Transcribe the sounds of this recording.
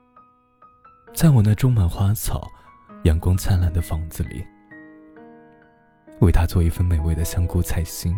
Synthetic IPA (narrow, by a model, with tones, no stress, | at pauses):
t͡sa˥˩ɪwɔ˨˩na˥˩ʈ͡ʂʊ˥ŋma˨˩nxwa˥t͡sʰɑ̰˨˩˦ʊ | jɛ˨˩ŋkwʊ˥ŋt͡sʰa˥nla˥˩nd̪ə˩fɑ˧˥ŋd͡zɹ̩˥˧lḭ˨˩˦ | we˥˩ɪt̪ʰa˥t͡swɔ˥˧i˥˩fə˥˧nme˨˩ɪwe˥˩d̪ə˨ɕjɑ˥ŋku˥t͡sʰa˥˩ɪɕi˥n